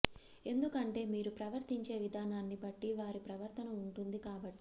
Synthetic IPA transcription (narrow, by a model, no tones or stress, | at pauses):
e̞nd̪ukɐɳʈe̞ːmiːɾupɾɐʋɐɾt̪iɲt͡ʃe̞ːʋid̪ʱaːnaːnːibɐʈːiʋaːɾipɾɐʋɐɾt̪ʰɐnɐuɳʈund̪ikaːbɐʈːi̥